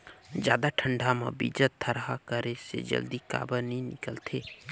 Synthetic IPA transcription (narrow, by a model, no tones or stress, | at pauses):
d͡ʒjaːd̪aʈʰə̃ɳɖʱamã̰bḭd͡ʒət̪ʰːəɾɦakəɾesḛd͡ʒə̰ld̪ika̰ːbənĩnɪkəlt̪ʰeː